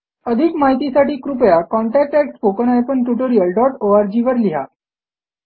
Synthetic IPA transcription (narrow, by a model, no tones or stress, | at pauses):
əd̪ʱikmaɦit̪isaʈiːkɾupjakɔɳʈɛk̚ʈæk̚ʈpokənajpəɳʈuʈoɾijəlɖɔʈoaɾd͡ʑiʋəɾliɦa